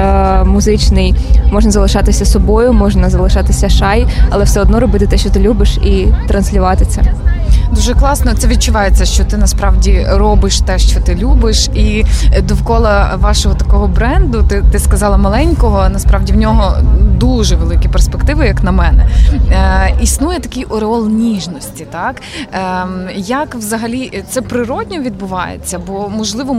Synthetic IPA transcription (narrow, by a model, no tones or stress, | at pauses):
mʊzɪt͡ʃnɪjmɔʒnɐzɐlˠɪʃɑt̪ɪsʲɐsɔbɔjʊmɔʒnɐzɐlˠɪʃɑt̪ɪsʲɐʃɑjɐlˠɛwsɛɔd̪nɔɾɔbɪt̪ɪt̪ɛʃt͡ʃɔt̪ɪlʲubɪʃit̪ɾɐnsʲlʲʊʋɑt̪ɪt͡sʲɐd̪uʒɛklˠɑsnɔt̪sɛʋʲid̪̚t͡ʃʊʋɑjet͡sʲːɐʃt͡ʃɔt̪ɪnɐspɾɑʋdʲirɔbɪʃt̪ɛʃt͡ʃɔt̪ɪlʲubɪʃid̪ɔwkɔlˠɐʋɑʃɔɦɔt̪ɐkɔɦɔbɾɛnd̪ʊt̪ɪt̪ɪskɐzɑlˠɐmɐlˠɛnʲkɔɦɔnɐspɾɑʋdʲiwnʲɔɦɔd̪uʒɛʋelˠɪkʲiperspekt̪ɪʋɪjɐknɐmɛnɛ̰ | isnujɛt̪ɐkʲiʔɔɾeɔlˠnʲiʒnɔsʲtʲit̪ɑkː | jɐkʋzɐɦɐlʲit̪sɛpɾɪɾɔdʲnʲɔʋʲid̪̚bʊʋɑ̰jḛt͡sʲːɐbɔmɔʒlˠɪʋɔ